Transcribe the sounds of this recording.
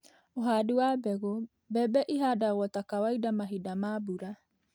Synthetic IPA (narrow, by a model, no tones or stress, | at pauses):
oɦaduaːbɛɣo | bɛbɛʔiɦadaɣoatakawaidamaɦidamaːbuɾa